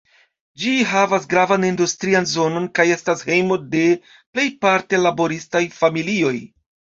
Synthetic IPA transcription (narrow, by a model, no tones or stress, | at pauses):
d͡ʒiɦavasɡɾavanindustɾianzo̞no̞nkaje̞stashe̞jmo̞de̞ | ple̞jpaɾte̞labo̞ɾistajfamilio̞j